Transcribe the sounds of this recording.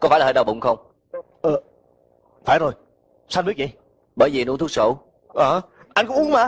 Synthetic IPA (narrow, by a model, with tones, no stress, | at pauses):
kɔ˧˥faː˧˩laː˨˩əː˨˩ɗɓʊ̰˨ŋ͡mxə˧wŋ͡m | ʔəː˨˩ | faː˧˩jzo˨˩j | sa˧nɓi˦˥ək̚t͡ɕi˨˩j | ɓəː˧˩jvi˨nu˧˦nt̪ʰk̚so̰˧˩ | ʔaː˨˩ʔa˧ŋ̟kʊ˧˦ŋ͡mu˨˦ə˦ŋ͡mmaː˧˩